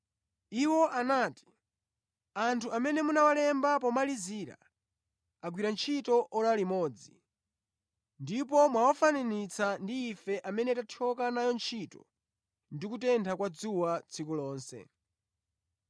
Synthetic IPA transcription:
iwɔʔanaːti̥ | antʰuamɛnɛmunawalɛmbap̬ɔmaliziːɾa̰ | aɡwiɾant͡ʃʰitɔʔɔlalimɔːd͡zi | ndip̬ɔmwawafananit͡sʰandiːfɛʔamɛnɛtatʰɔkanajɔnt͡ʃʰitɔ̰ | ndikutɛntʰakwad͡zuwat͡sʰikulɔːnsɛ̰

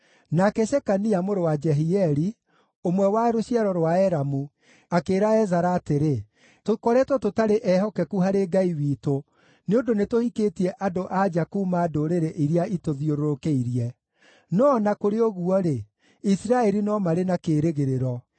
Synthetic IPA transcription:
nakɛʃɛkaniamoɾowad͡ʒɛɦiɛɾi | omwɛwaɾoɕiaɾɔɾwaɛɾamu | akeːɾaɛzaɾaːteɾe | tokɔɾɛtwɔtotaɾeʔɛhɔkɛkuɦaɾeɡaiwiːto | neondonetohiketiɛʔadoʔad͡ʒakumadoɾeɾɛʔiɾeaitoðioɾoɾokeiɾiɛ | nɔnakoɾeɔɣuɔɾe | isiɾaɛɾinɔmaɾenakeːɾeɣeɾeɾɔ

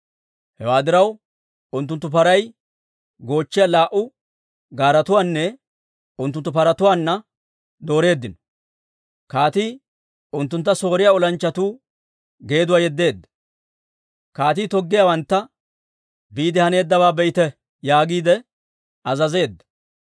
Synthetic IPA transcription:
hɛwaːd̪ɪɾɐw | ʊnt̪ːʊnt̪ːʊpɐɾɐj | ɡo̞ːt͡ʃːɪjalaːʔʊ | ɡaːɾɐt̪ʊwaːnːɛ | ʊnt̪̬ːʊnt̪ːʊpɐɾɐt̪ʊwaːnːɐ | d̪o̞ːɾe̞ːd̪ːɪnɔ̥ | kaːt̪iː | ʊnt̪ːʊnt̪ːɐso̞ːɾɪjaːɔlɐnt͡ʃːɐt̪uː | ɡe̞ːd̪ʊwaːjɛd̪ːe̞ːd̪ːɐ̥ | kaːt̪iːt̪ɔɡːɪjaːwɐnt̪ːɐ | biːd̪ɪhɐne̞ːd̪ːɐbaːbɛjt̪ɛ | jaːɡiːd̪ɛ | ɐzɐze̞ːd̪ːɐ̥

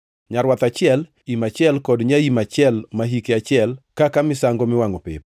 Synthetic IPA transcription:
ɲaɾwat̪at͡ʃɪɛl | imat͡ʃɪɛlkɔdɲaimat͡ʃɪɛlmaɦikeat͡ʃɪɛlkakamɪsaŋɡomɪwaŋopɪ̰p̚

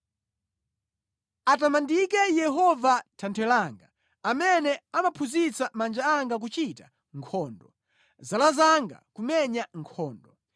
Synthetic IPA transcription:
atamandikɛjɛɦɔvatʰantʰɛlaːŋɡa | amɛnɛamapʰuzit͡samand͡ʒaaŋɡak̬ut͡ʃita | ŋkʰɔːndɔ | zalazaŋɡa̰kumɛɲaŋkʰɔːndɔ

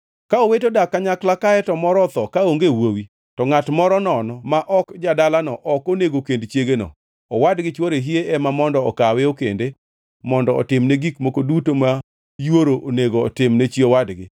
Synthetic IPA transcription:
kaowetodakːaɲaklakaɛtɔmɔɾɔt̪ɔkaoŋɡewowi | tɔŋatmɔɾɔnɔnɔmaʔɔkd͡ʒadalanɔʔɔkoneɡokendt͡ʃjeɡenɔ̰ | ɔwadɡɪt͡ʃwoɾeɦieʔɛmamɔndɔɔkaweokende | mɔndɔɔ̰tɪmneɡikmokodutoma | jwoɾooneɡo̰ːtɪmnet͡ʃiowadɡɪ̰

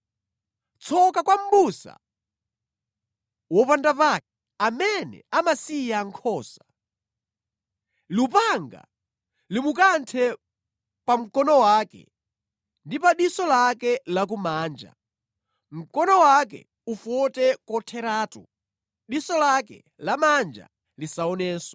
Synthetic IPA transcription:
t͡sʰɔkakwam̩busa̰ | wɔpandapak̚ɛ | amɛnɛ̰amasijaŋkʰɔːsḁ | lupaŋɡa̰ | limukantʰɛ | pam̩kɔnɔwaːkɛ̰ | ndipaɗisɔlakɛlak̬umaːnd͡ʒa̰ | m̩kɔnɔwak̬ɛ̰ | ufɔtɛkɔtʰɛɾaːtṵ | ɗisɔlakɛ̰ | lamand͡ʒa̰ | lisaɔnɛːsɔ

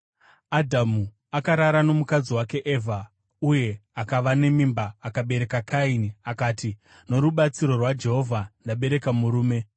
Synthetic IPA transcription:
adʱamu | akaɾaɾano̞mukad͡ziwake̞ʔevʱa | uje̞akaʋane̞mimbaːkaɓe̞ɾe̞kakainiakaːti | no̞ɾuɓat͡siɾo̞rwad͡ʒe̞ɦo̞vʱandaɓe̞ɾe̞kamuɾuːme̞

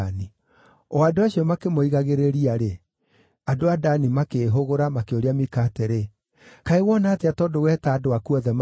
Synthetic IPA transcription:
ni | ɔadoaɕiɔmakemoiɣaɣeɾeɾiaɾe | adoadanimakeːɦoɣoɾamakeoɾeamikateɾe | kaewɔnaːteatɔːdowɛtaːdoakuɔðɛm

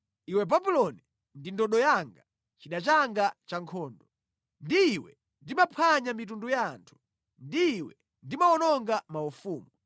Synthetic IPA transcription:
iwɛbabulɔni | ndindɔɗɔjaŋɡa | t͡ʃiɗat͡ʃaŋɡat͡ʃaŋkʰɔːndɔ | ndiːwɛ̰ | ndimapʰaɲamit̬undujantʰu̥ | ndiːwɛ | ndimaɔnɔŋɡamaufuːmu

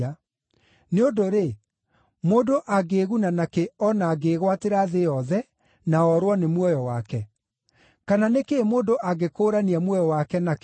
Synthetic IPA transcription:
a | neondoɾe | moːndoʔaɡeːɣunanakeɔnaːɡeɣwateɾaðejɔðɛ | naɔɾwɔnemwɔjɔwakɛ | kananekeːmoːndoʔaɡekoɾaniamwɔjɔwakɛnak

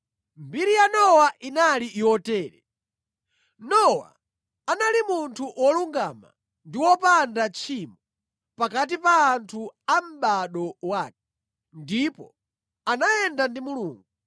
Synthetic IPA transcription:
mbiɾijanɔwaʔinaliʔːɔtɛːɾɛ | nɔwa̰ː | nalimuntʰuʔwɔluŋɡama̰ | ndiwɔpandat͡ʃʰimɔ | pakat̬ipaːntʰuam̩ɓaɗɔwaːk̚ɛ | ndipɔ̰ | anajɛndandimuluːŋɡu

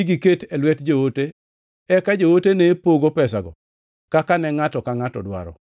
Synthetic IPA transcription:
iɡiketɛlwɛtd͡ʒowote | ɛkad͡ʒowotenepoɡopɛsaɡɔ̰ | kakanɛŋatɔkaŋatɔ̰dwa̰ɾɔ̰

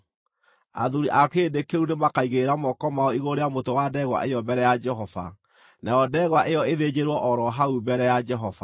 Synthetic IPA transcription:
a̰ðuɾiʔakedekeunemakaiɣeɾamɔkɔmaɔiɣoɾeamotowadɛɣwa̰ʔejɔbɛɾɛjad͡ʒɛɦɔva̰ | najɔdɛɣwaʔejɔeðed͡ʑeɾwɔʔɔɾɔɦaubɛɾɛjad͡ʒɛɦɔfa̰

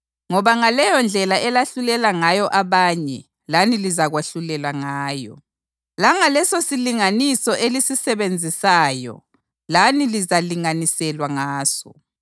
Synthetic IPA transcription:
ŋɔβaŋalɛjɔnd͡ɮʱɛlaʔɛlaɬulɛlaŋajɔʔaβaːɲɛ | lanilizaɣwaɬulɛlaŋaːjɔ̰ | laŋalɛsosiliŋanisɔʔelisisɛβend͡zʱisaːjɔ̰ | lanilizaliŋanisɛlwaŋaːsɔ̰

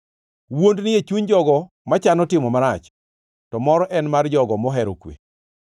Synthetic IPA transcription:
wondnɪjet͡ʃuɲd͡ʒɔɡɔ | mat͡ʃanɔtɪmɔmaɾat͡ʃ | tɔmɔɾɔʔɛnmard͡ʒɔɡɔmɔɦɛɾo̰kwḛ

